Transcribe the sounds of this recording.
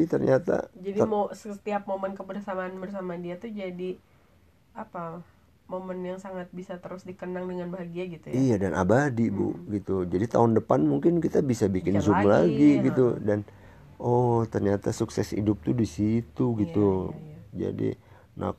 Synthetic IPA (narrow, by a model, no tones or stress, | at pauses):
it̪ərɲat̪a̰d͡ʒadimsəət̪iap̚momənkəbərsamaːnbərs̬amadiat̪ud͡ʒadi | apa | momənjaŋsaŋat̪̚bisat̪əɾʊsdikənaŋdəŋanbaɦaɡiaɡit̪ujijadanʔa̰badibṵɡit̪ud͡ʒadit̪a̰ɦʊndəpanmuŋkɪnkit̪abisabikɪnzumlaɡiɡiudan | ɔt̪ərɲat̪asuksɛ̰sḭdʊp̚t̪udisit̪uɡit̪ud͡ʒa̰dḭ | nʔa̰